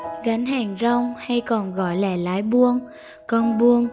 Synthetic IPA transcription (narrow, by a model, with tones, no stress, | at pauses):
ɣa˨˦nhɛː˨˩ŋza˧wŋ͡mha˧jkɔ˨˩nɣɔ̰˧˨˩jlaː˧˩laː˨˦jɓu˧əŋ | kɔ˧nɓu˧əŋ